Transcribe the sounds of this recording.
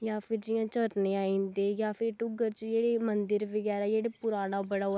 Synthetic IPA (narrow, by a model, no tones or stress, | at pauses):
jaːpʰɪɾd͡ʒɪjãːt͡ʃəɾnẽːaːĩːnd̪eːjaːpʰɪɾʈʊɡəɾt͡ʃd͡ʒeːɽeːmənd̪əɾʋəɡɛːɾaːd͡ʒeːɽeːpʊɾaːñaːbəɽaː